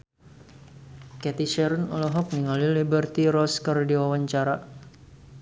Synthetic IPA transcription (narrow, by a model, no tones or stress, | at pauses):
kɛt̪iʃɛɾunɔlɔɦɔk̚niŋalilibərt̪iɾɔskərdiwawaɲt͡ʃaɾa